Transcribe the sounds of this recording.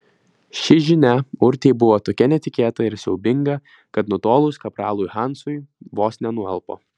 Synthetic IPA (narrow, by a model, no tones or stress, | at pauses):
ʃʲɪʒʲɪnʲɛʊɾʲt̪ʲɛɪbʊʋoːt̪oːkʲɛnʲɛt̪ʲɪkʲeːt̪ɐɪɾsʲɛʊbʲɪŋɡɐ | kɐt̪nʊt̪oːlˠʊskɐpɾɑːlˠʊjxɑnsʊjʋoːsʲnʲɛnʊɛlˠpo̰ː